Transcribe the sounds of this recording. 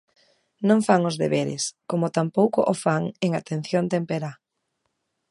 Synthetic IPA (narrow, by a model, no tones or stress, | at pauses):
nõŋfaŋʊzðḛβeɾɪ̰skomʊt̪ampowkʊʔofaŋeŋat̪en̟θjont̪empeɾa